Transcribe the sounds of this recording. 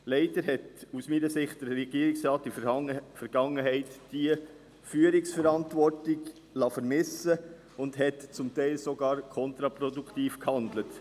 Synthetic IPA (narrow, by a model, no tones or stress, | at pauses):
lɛɪdəɾhɛtusmiːnəsɪχt̚d̥əɾːɛɡ̥iːəɾɪksɾɑːt̚difɛɾɡ̥ɑŋːəɦɛɪtd̥iə | fyːəɾɪksfɛɾɑntʋɔɾtɪɡ | lɑfəɾmɪsə | ʊndhɛtt͡sʊmtɛɪlsɔɡɑːɾkʰɔnt̪ɾɑpɾɔduktiːfkhɑndlət